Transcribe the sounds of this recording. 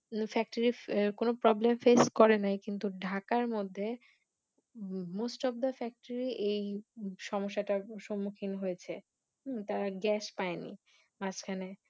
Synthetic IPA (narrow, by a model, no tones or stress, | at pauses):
fɛk̚ʈaɾikonopɾɔblemfeskɔɾenajkint̪uɖʱakaɾmod̪ʱːe | mosʈɔbd̪afɛk̚ʈaɾiʔejʃɔmoʃːaʈaʃomːukʰinɦojet͡ɕʰe | t̪aɾaɡɛʃpaenḭ | mat͡ɕkʰane